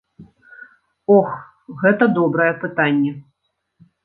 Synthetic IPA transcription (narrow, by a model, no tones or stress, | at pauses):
ɔx | ɣɛt̪ɐd̪ɔbɾɐjɛpɨt̪anʲːɛ